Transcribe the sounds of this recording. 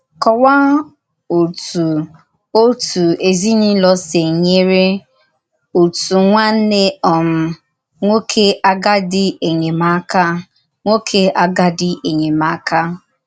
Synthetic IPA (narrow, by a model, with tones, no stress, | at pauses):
kɔ˨wa˦ | o˨tu˨ | o˦tu˨e˨zi˦ni˦lɔ˦se˨ɲe˦ɾe˦ | u˨tu˨ŋʷa˦n̩˦ne˦ɔ˨m̩˦ | ŋʷo˦kʰe˦a˦ɡa˦dɪ˦e˨ɲe˨ma˦ka˦ | ŋʷo˦kʰe˦ʔa˦ɡa˦dɪ˦ʔe˨ɲe˨ma˨˦ka˦